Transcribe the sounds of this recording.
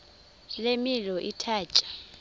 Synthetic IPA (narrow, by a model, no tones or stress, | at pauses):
lemilɔʔitʰaːt͡ʃʼḁ